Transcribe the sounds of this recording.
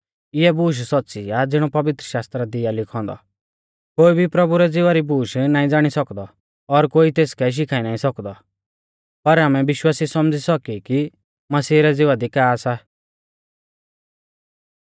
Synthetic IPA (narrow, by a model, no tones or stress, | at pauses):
ɪɛbuːʃ̬sɔt̪ːsiad͡zɪɽ̃ɔpɐʋɪt̪ɾəʃaːst̪ɾad̪ɪjalɪkʰɔ̃ːnd̪ɔ̰ | koːibʱipɾɐbuɾɛd͡zɪʋaɾibuːʃnaːĩd͡zaːɽ̃isɔkd̪ɔ | ɔɾkoːit̪eːskɛʃ̬ɪkʰaːinaːĩsɔkd̪ɔ | pɐɾaːmɛbɪʃwaːsisɔmd͡zisɔkiki | mɐsiːɾɛd͡zɪʋad̪ikaːsa